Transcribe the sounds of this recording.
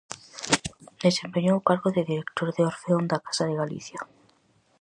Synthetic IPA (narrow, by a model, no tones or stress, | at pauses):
d̪ese̞mpeɲokaɾɣoðeðiɾekt̪oɾðeoɾfeond̪akḁsaðeɣalḭθja